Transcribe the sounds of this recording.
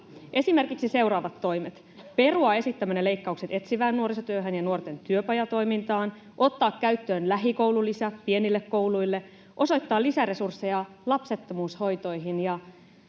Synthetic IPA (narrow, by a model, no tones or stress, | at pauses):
ʔe̞sime̞rkiksise̞wɾɑːʋɑt̪ːo̞jmet̪ | pe̞ruɑe̞sit̪ːæmænele̞jkːɑukset̪e̞t̪siʋæːnːuoɾisɑt̪yøɦænjɑnuo̞rt̪e̞nt̪yøpɑjɑt̪o̞jmint̪ɑːn | ʔo̞t̪ːɑːkːæyt̪ːøːnlæɦiko̞wlulisæpie̞nilːekkːo̞wlujlːe̞ | ʔo̞so̞jt̪ːɑːlːisæɾe̞sursːejɑ | lɑpse̞t̪ːomuːsho̞jt̪o̞jɦinjɑ